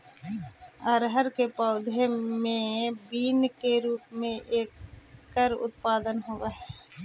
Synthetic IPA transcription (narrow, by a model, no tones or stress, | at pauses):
əɾɦəɾkepɔːd̪ʱemẽbiːnkeɾuːpmẽʔeːkːəɾʊ̰t̪paːd̪ənɦoʋaɦɛː